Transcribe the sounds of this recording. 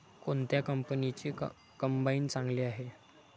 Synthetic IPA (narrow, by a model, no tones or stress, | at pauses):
kont̪jakəmpənit͡ɕiː | kəmbaiːnt͡sãŋɡliːaɦe